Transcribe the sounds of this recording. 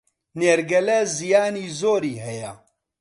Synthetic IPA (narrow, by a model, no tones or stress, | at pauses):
neːɾɡɛlɛzijaːniːzoːɾiːɦɛjɛ